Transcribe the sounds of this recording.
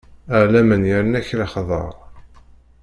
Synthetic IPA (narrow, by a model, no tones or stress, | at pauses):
əʕlæmənjəɾənæçlaχðˤə̰ɾˤ